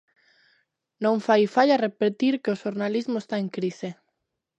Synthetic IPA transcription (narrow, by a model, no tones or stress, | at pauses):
nõŋfajfaʎarepet̪iɾkeoʃoɾnalizmoʊest̪aeŋkɾise